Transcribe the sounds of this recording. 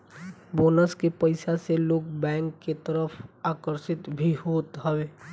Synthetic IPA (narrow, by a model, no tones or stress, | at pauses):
boːnəskepəɪsaseloːɡbɛ̃ːŋkːet̪əɾəfʰaːkəɾsɪt̪bʱiɦoːt̪ɦɛweː